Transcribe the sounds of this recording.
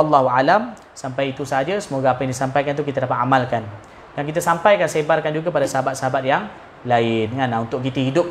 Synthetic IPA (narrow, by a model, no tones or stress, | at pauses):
alːaɦualam | sampajit̪usaad͡ʒəsəmoɡaːpajaŋdisampajkant̪ukit̪aədapat̪amalkan | dankit̪̬asampajkansebarkand͡ʒuɡapadasəɦabat̪̚səɦabat̪̚jaŋ | laɪnŋanaunt̪ʊʔ̚kit̪uɦidʊp̚